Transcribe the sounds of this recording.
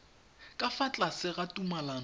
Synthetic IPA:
kʼafat͡ɬʼasɪɣatʼumalan

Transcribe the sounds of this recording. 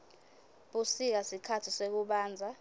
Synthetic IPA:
ɓusik̬asikʰatʰisek̬uɓaːnd͡zʱa

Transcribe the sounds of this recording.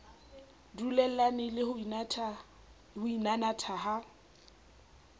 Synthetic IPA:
dulɛl̩lanɪlɪhʊ | hʊinanatʰaɦa

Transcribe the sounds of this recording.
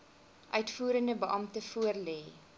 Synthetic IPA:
ʔœɥtfuːɾəndəbəʔɐmtəfuərlɛː

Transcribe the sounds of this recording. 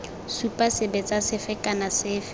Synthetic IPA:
supʼasɪbɛt͡sasɪfɪkʼanasɪːfɪ

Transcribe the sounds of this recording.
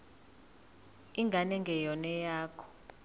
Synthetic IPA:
iŋɡʱanɛŋɡʱɛjɔnɛjaːkʰɔ̥

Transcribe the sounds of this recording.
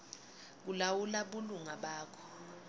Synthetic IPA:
k̬ulawulaɓuluŋaɓaːkʰɔ̥

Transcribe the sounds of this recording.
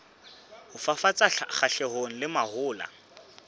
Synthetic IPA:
hʊfafat͡sʼaχaɬɛɦon̩lɪmahʊːla̰

